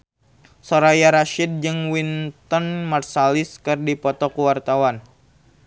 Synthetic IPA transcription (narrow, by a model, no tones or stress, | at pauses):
soɾajaɾaʃid̚d͡ʒɨŋwint̪ɔnmarsalɪskɨrdipɔt̪ɔkuwart̪awan